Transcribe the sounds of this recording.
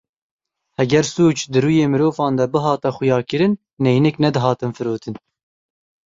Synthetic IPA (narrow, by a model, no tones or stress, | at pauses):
hɛɡʲɛɾsuːt͡ʃd̪ɨɾuːjeːmɨɾoːvɑːnd̪ɛbɨɦɑːt̪ɛxʊjɑːkɨɾɨnː | ɛjnɛknɛd̪ɨɦɑːt̪ɨnfɨɾoːt̪ʰɨn